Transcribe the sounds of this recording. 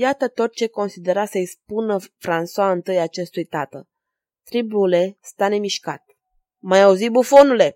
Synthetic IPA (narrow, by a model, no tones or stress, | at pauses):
jat̪ət̪o̞t̪̚t͡ʃe̞ko̞nsid̪e̞ɾasəispunəfɾanswaɨnt̪ɨjaːt͡ʃe̞st̪ujt̪at̪ə | t̪ɾibule̞st̪ane̞miʃka̰t̪̚ | majauzibufo̞nule̞